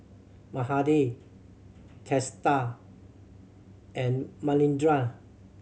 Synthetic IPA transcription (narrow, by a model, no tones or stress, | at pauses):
mahadi | tʰɛsta | ɛ̃nmalĩndɹa